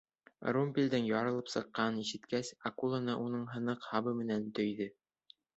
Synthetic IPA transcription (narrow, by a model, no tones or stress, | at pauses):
rumbʲilʲd̪ɘŋjɒɾɤ̆lˠɤpsɤ̆qːɑniʃɘ̆t̪kæsakulˠanɤʔunɤɴɦɤ̆nɤqhɑβɤmɘ̆nænt̪ɵ̆jðɘ